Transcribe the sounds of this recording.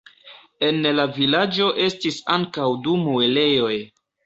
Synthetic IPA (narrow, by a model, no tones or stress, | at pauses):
e̞nlavilad͡ʒo̞ʔe̞stisaŋkawdumuele̞jo̞j